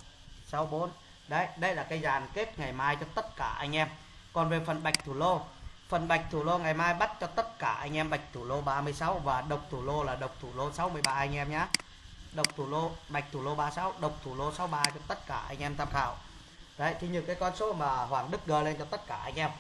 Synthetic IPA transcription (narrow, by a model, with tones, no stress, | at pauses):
sa˨˦wɓo˨˦n | ɗə˧˦jɗə˧jlaː˨˩kaː˨˦jzaː˨˩nke˦˥t̚ŋa˨˩jmaː˧jt͡ɕɔ˧t̪ə˦˥t̚kaː˧˩ʔa˧jŋ̟ʔɛ˧m | kɔ˨˩nve˨˩fə˨˩nɓa˨˩jk̟̚t̪ʰu˧˨˩lo˧fə˨˩nɓa˨˩jk̟̚t̪ʰu˧˩lo˧ŋa˨˩jmaː˧jɓa˦˥t̚t͡ɕɔ˧t̪ə˦˥t̚kaː˧˩ʔa̰˧jŋ̟ʔɛ˧mɓa˨˩jk̚t̪ʰu˧˩lo˧ɓaː˧mɨ˧əjsa˨˦wvaː˨˩ɗə˨˩wk͡p̚t̪ʰu˧˩lo˧laː˨˩ɗə˨˩wk͡p̚t̪ʰu˧˩lo˧sa˨˦wmɨ˧əjɓaː˧ʔa˧jŋ̟ʔɛ˧mɲaː˧˥ | ɗə˨˩wk͡p̚t̪ʰu˧˩lo˧ɓa˨˩jk̚t̪ʰu˧˩lo˧ɓaː˧sa˨˦wɗə˨˩wk͡p̚t̪ʰu˧˩lo˧sa˨˦wɓaː˧t͡ɕɔ˧t̪ə˦˥t̚kaː˧˩ʔa̰˧jŋ̟ʔɛ˧mt̪ʰaː˧mxaː˧˩w | ɗə˧˦jt̪ʰi˧ɲɨ˧˩kaː˨˦jkɔ˧nso˨˦maː˨˩ɦwaː˧˩ŋɗɨ˦˥k̚ɗəː˧˩le˧nt͡ɕɔ˧t̪ə˦˥t̚kaː˧˩ʔa̰˧jŋ̟ʔɛ˧m